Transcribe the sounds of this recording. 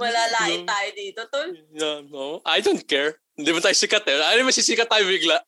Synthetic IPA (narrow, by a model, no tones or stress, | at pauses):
mɐlaːlaːʔɪt̪aːjod̪iːt̪ot̪oljaoʔajd̪ont̪̚kɛɹ | ɪnd̪imɐnt̪aːjosikɐt̪ɛaːnɪmɐɡsiːsiːkɐt̪ːaːjobɪɡlaʔ